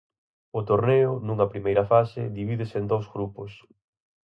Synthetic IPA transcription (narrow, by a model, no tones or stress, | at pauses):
ʊt̪oɾneʊnuŋɐpɾimejɾɐfasɪðiβiðɪsɪend̪owzɣɾupʊs